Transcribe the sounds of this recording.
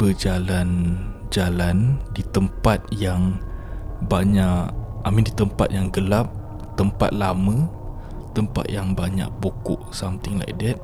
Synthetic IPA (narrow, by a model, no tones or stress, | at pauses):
b̥əd͡ʒalan | d͡ʒalandit̪əmpat̪̚jaŋ | baɲaʔamindit̪əmpa̰t̪̚jaŋɡəlap̚ | t̪əmpa̰t̪̚lamə̃ | t̪əmpa̰t̪̚jaŋbaɲa̰k̚bokʊʔsamt̪ɪŋla̰jdɛt̪̚